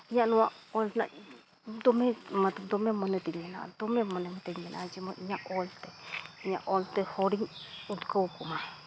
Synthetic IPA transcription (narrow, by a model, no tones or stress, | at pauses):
ɲãnũãolnã̰ | d̪omẽmãd̪omẽmõnẽt̪iɲẽnã̰d̪omẽmõnẽmãt̪eɲẽnʔã̰t͡ʃimõɲãʔolt̪eɲã̰ʔolt̪ehoɾiut̪ukaukumã